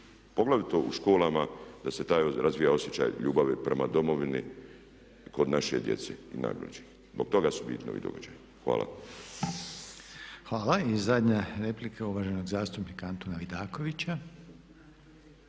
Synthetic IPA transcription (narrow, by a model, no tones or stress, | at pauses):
po̞ɡlˠaʋit̪oʔuʃkoːlamad̪aset̪aːjoɾazʋijao̞sjet͡ɕa̰jʎuːbaʋipɾemad̪o̞mo̞ʋini | ko̞d̪naʃed̪jet̪seina̰ɡlḛd͡ʒe | zboɡ̥̚t̪o̞ɡasubḭlino̰ʋḭd̪o̞̰ɡad͡ʒaj | xʋa̰ːlˠa̰ | xʋaːlˠaizːad̪ɲaɾe̞plikʰauʋaːʒenoɡzaːst̪upnikaant̪onaʋid̪aːko̞ʋit͡ɕa